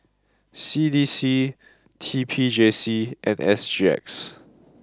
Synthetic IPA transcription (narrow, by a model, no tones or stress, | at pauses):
sidisi | tʰipʰid͡ʒesiʔɛ̃nɛ̰sd͡ʒiɛ̰ks